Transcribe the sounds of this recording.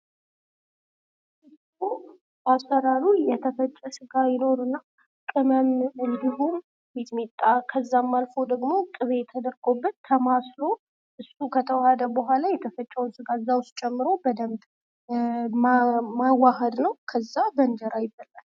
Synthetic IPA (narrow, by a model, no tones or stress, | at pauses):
ʔɨs | u | asːəɾaɾujɛt̪ʰəfət͡ʃʼːɛsɨɡajɪno̞ɾuɨnːa | kʼɨməmɨnd̪iɦun | mit̪mit̪ʼːakʰəzːamːalfo̞d̪əɡmo̞kʼɨβet̪ʰəd̪əɾɡo̞bːət̪ʰːəmaslo̞ | ʔɨsukʰət̪ʰəwahd̪əbəɦʷalajɛt̪ʰəfət͡ʃʼːɛwnsɨɡaɨzːawʊst̪̚t͡ʃʼɛmːɨɾo̞bəd̪əmt̪ʼ | mmawaɦəd̪nəwkʰəzːabənd͡ʒəɾajɪbalːan